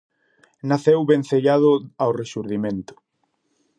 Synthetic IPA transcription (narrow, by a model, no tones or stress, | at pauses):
naθewβenθeʎaðʊawreʃuɾðimẽnt̪ʊ̥